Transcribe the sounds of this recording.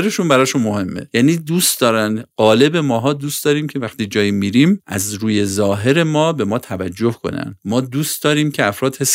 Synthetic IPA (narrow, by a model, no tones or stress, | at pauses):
ɾeʃunbæɾɒːʃunmo̞he̞mːḛjæːniːd̪uːst̪d̪ɒːɾænd̪ɢ̥ɒːle̞be̞mɒːɦɒːd̪uːst̪d̪ɒːɾiːmcʰe̞væxt̪iːd͡ʒɒːjimiːɾiːmʔæ̰zɾuːje̞zɒːɦe̞ɾe̞mɒːbe̞mɒːt̪ʰævæd͡ʒːo̞hkʰo̞̰næ̰nd̪mɒːd̪uːst̪d̪ɒːɾiːmcʰeæfɾɒːd̪he̞s